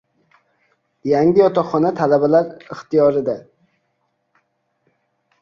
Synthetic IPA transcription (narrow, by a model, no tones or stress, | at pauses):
jæŋɡʲɪjɒt̪ɑχːɒnɛt̪ʰælæbɛlaɾɨχt̪ijɒɾɪd̪ɛ